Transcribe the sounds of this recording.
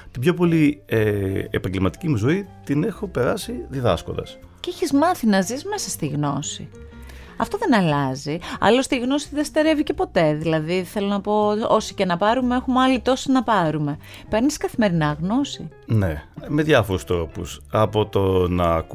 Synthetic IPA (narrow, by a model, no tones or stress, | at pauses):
t̪ibço̞po̞lieḛpɐɲɟelmɐt̪i̥cimuzo̞it̪ine̞xo̞pe̞ɾɐsiðiðɐsko̞nd̪ɐ̰s | ciçizmɐθinɐzizme̞sɐst̪iɣno̞sḭ | ɐ̰ft̪oðe̞nɐlɐziɐ̰lost̪iɣno̞sit̪ðest̪e̞ɾe̞vice̞po̞t̪e̞ðilɐðiθe̞lo̞nɐpo̞o̞sicenɐpɐɾumeexumeɐlit̪o̞sinɐpɐɾume̞ | pe̞ɾniskɐθime̞ɾinɐɣno̞sine̞me̞ðʝɐfo̞ɾust̪ɾo̞pusɐpo̞t̪o̞nɐk